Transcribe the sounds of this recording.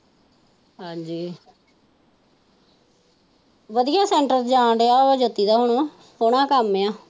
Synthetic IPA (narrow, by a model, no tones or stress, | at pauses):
ɦãːd͡ʒiː | ʋəd̪iːjaːsɛːɳʈəɾd͡ʒaːɳɾeaːəd͡ʒoːt̪ːiːd̪aːɦoɳoː | oɽ̃ãːkəmːeːaː